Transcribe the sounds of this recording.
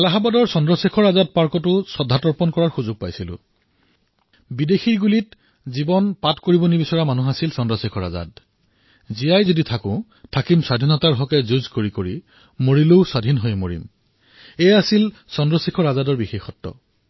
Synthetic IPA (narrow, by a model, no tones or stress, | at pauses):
alaɦabadɔɹsɔndɹɔsikʰɔɹazad̚paɹkɔtʊsɔdʱatɔɹpɔnkɔɹaɹxuzʊɡ̚pajsilʊ̰̃ | bidexiɹɡulit̚ | zibɔnpatkoɹibɔnibisɔɹamanuɦasilsɔndɹɔsikʰɔɹa̰za̰d | zijajzoditʰakʊ̃ | tʰakimswadʱinɔtaɹɦɔkɛzuzkoɹikoɹi | moɹiloʊsadʱinɦojmoɹḭm | ɛjasil | sɔndɹɔsikʰɔɹazadɔɹbixexɔtːɔ̰